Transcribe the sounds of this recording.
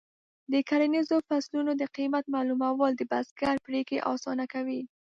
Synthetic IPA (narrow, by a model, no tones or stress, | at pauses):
d̪əkaɾanizofaslunod̪əqimat̪̚malumawɑld̪əbasɡaɾpɾekeʔɑ̰sɑnakawi